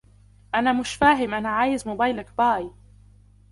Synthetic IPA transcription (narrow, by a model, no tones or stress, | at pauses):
ʔanaːmʊʃfaːɦɪmʔanaːʕaːjɪzmʊbajlakbɑːj